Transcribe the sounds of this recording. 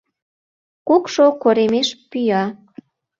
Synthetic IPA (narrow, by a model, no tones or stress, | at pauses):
kukʃokoɾemeʃpyjɑ